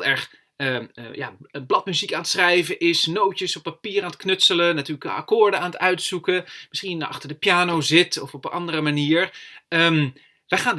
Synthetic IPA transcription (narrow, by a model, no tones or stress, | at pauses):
lˠɛɹχ | əja̰ːblɑtmyzikaːnətsrɛjvəʔɪsnowtəsɔpːapiːraːnət̚knɵtsələnatyːləka̰kʊːɹdəaːnətœɥtsukəmɪsχinɑ̰χtəɹdəpjaːnowzɪtɔfɔpənʔɑndərəmaniːɹəm | ʋəχaːn